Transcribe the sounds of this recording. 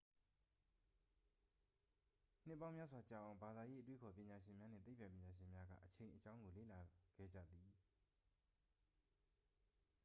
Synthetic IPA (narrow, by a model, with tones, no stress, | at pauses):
n̥ɪ˦˨pːã˦ʊ̃mja˦˨swa˨t͡ɕa̰˨ʔã˨ʊ̃mba˨d̪a˨je˦ʔə˦t̪̬we˦kʰɔ˨pjɪ̃˨ɲa˨ʃɪ̃˨mja˦n̥ɪ̰̃˦˨t̪e˦˨pʰːã˨pjɪ̃˨ɲa˨ʃɪ̃˨mja˦ɡa̰˦˨ʔət͡ɕʰẽ˨ʔət͡ɕã˦ʊ̃ŋɡo˨lḛ˦˨la˨ɡ̥ɛ̰˦˨d͡ʑä̰˦˨d̪i˨